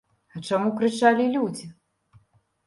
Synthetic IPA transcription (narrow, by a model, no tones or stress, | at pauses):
ɐt͡ʂamukɾɨt͡ʂalʲilʲud͡zʲi